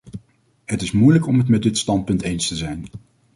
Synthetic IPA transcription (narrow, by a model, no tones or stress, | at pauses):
ɦətɪsmujləkɔmɦətmɛdɪtstɑnt̚pɵntejnstəzɛjn